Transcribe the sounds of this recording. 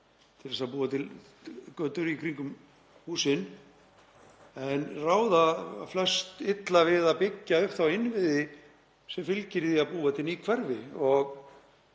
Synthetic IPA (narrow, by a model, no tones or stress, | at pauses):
t̪ʰɪlfɛsapuːvat̪ʰɪl | kœːt̪ʏɾikʰɾiŋkʏm | huːsɪn | ɛnraːwðaflœ̥st̪ɪt̪lavɪðapɪcːaʏht̪θawɪnvɪðɪ | sɛmfɪlcɪɾðiaðpuːat̪ʰɪlikʰvɛɾvɪɔɣ